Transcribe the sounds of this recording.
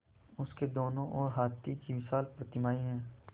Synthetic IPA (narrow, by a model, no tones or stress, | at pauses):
ʊsked̪oːnõʔɔːɾɦaːt̪ːikiʋɪsaːlpɾət̪ɪmaːiɦɛ̃ː